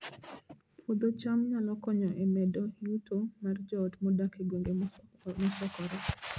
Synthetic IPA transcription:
pʰod̪ot͡ʃamɲalɔkɔɲɔʔemɛdojutomard͡ʒɔtmɔdakeɡweŋɡemɔsɔkɔɾɛ

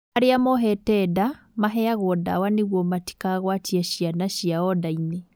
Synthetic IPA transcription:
aɾeamɔɦɛtɛda | maɦɛaɣɔda̰waneɣwɔmati̥kaɣwatiaʃianaʃiaɔdaine

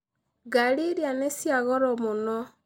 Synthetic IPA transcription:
ɡaɾiɾjanesjaɣɔɾɔmonɔ

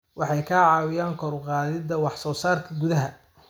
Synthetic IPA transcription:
wɑħɑjkʰaːʕɑːwɪjaːŋkʰɔɾʊqɑːðɪd̪ɐwɑħsɔːsaːrkʰɐɡʊðɐɦɐ

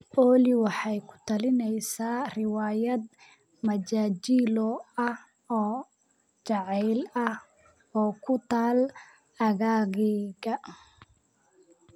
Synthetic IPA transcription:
ʔɔːlɪwɑħɑjkʰʊ̥t̪ʰɐlɪnɛjsaːrɪwaːjɐd̪ | mɐd͡ʒaːt͡ʃilɔɐ | ɔː | t͡ʃɑʕɛjlɐh | ɔːkʰʊt̪ʰaːl | ɐɣaːɣɛɣɐ

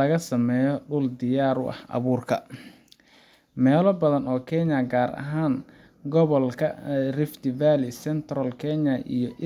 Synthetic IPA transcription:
ɐɣɐsɐmɛːjɔɖʊld̪ɪjaːɾʊʔɐ̰hʔɐ̰βuːrkʰɐ | mɛːlɔbɐðɐnɔːkʰɛnjɐɡaːɾɐ̰ɦaːŋ | ɡɔβɔlkʰɐ̰rɪft̪ɪvalɪsɛnt̪ʰrɐlkʰɛɲɐʔḭjɔʔ

